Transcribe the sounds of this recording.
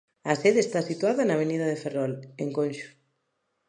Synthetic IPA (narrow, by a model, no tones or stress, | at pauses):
ɐseðest̪asit̪waðɐnaβeniðɐðeferɔleŋkonʃu̥